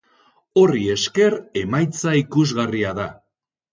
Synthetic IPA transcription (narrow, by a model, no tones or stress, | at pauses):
o̞rie̞ske̞ɾe̞majt͡saikuzɣariaða